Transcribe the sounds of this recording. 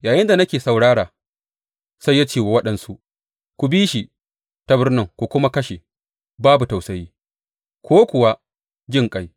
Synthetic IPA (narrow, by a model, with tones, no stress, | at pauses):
jaː˨jɪ˦nda˨nɐ˦kʲeː˨sa˨wɽaː˦ɽaː˨ | sa˦jːaː˦t͡ʃeː˨wa˨wɐ˦ɗɐ˨nsu˦ | kʷu˨biː˦ʃi˨ | ta˦bɪ˦rnɪ˦ŋkʷu˨kʷʊ˦ma˦kɐ˦ʃe˨ | baː˦bu˨ta˨wsɐ˨jiː˦ | kʷʰoː˦kʷʊ˨wa˦ | d͡ʒɪ˦˨ŋkʼa˦j